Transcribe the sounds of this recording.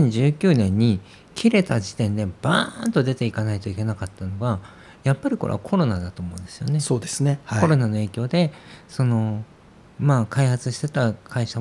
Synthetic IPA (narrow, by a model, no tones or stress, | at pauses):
ẽɲ̟d͡ʑɨːkʲɨːnẽ̞ɲ̟ːi | kʲʰiɾe̞t̪ad͡ʑit̪ẽ̞nd̪e̞b̥ant̪o̞d̪e̞t̪e̞ikanait̪o̞ikʲe̞nakat̪ːano̞ɡa | japːaɾʲiko̞ɾʔḛakʰo̞ɾo̞nad̪at̪oːmo̞ɯ̟nd̪̥e̞sɨjo̞̰ne̞soːd̪esɨnehao̞ɾo̞nano̞e̞ːkʲo̞ːd̪e̞so̞no̞ | maːkaihat͡sɨɕi̥t̪e̞t̪akʰaiɕa